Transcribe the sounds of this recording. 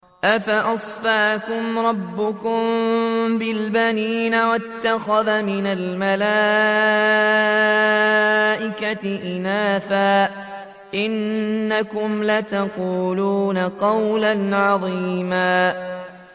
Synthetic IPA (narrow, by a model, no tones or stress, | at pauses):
ʔafaʔɑsˤfaʕkʊmɾˤɑbːʊkʊmbɪlbaniːnawat̪ːaxaðamɪnalmala | ʔɪkat̪ɪʔɪnaːθaː | ʔɪnːakʊmlat̪ɑquːluːnaqɑwlanʕɑðˤiːmaː